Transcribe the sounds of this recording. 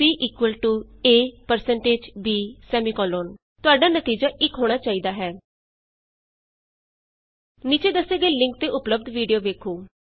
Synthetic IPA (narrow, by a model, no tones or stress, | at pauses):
iːʔiːkʋəlʈuːeːpəɾsəɳʈeːd͡ʒbiːsɛːmiːkɔːloːn | t̪ʊaːɖaːnət̪iːd͡ʒaːʔɪkɦoːɽ̃aːt͡ʃaːiːd̪aːɦɛː | niːt͡ʃeːd̪əsːeːɡəeːlɪ̃ŋk̚t̪eːʔʊpləb̚d̪ʋiːɖijoːʋeːkʰoː